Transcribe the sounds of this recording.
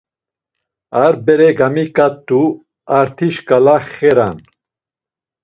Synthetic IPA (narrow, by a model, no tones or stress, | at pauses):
aɾbɛɾɛɡamikʼat̪ːu | aɾt̪ʰiʃkʼalaχɛɾa̰n